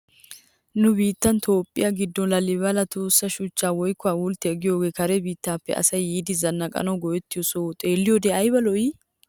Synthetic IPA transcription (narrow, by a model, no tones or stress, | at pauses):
nʊbiːt̪ːɐnt̪ʰoːpʼːɪ̰jaɡɪd̪ːɔlɐlɪbɐlɐt̪ʰoːsːɐʃʊt͡ʃːaːwɔjkːɔaːwʊlt̪ːɛɛɡɪjoːɡeːkɐɾɛbiːt̪ːaːpːɛ̰ʔɐ̰sɐjːiːd̪ɪzɐnːɐkʼɐ̰nɐwɡɔjɛt̪ːɪjɔsot̪ʼeːlːɪjod̪ɛɐjbɐlɔjɪ